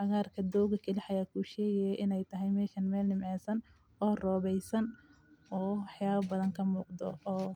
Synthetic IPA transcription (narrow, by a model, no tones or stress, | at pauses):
ħɑɣaːrkʰɐd̪ɔwɣɐkʰɐlɪħɑjaːkʰuːʃɛːɣɛjɛjʔɪnɛjt̪ʰɐɦɛjmɛːʃɐnmɛːlnɪmʕɛːsɐn | ʔɔːrɔːβɛjsɐn | ʔɔːwɑħjaːβɐbɐðɐŋkʰɐmuːqd̪ɔ̰ɔː